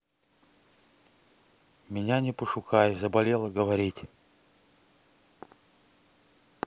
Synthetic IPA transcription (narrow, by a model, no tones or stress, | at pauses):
mʲɪnʲanʲɪpəʂʊkajʊzəbɐlʲelˠəɡəvɐɾʲitʲ